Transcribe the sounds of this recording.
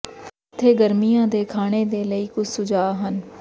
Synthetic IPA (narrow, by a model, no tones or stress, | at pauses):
t̪ʰːeːɡəɾmijãːd̪eːkʰaːɽ̃eːd̪eːləiːkʊt͡ʃʰsʊd͡ʒaːɦən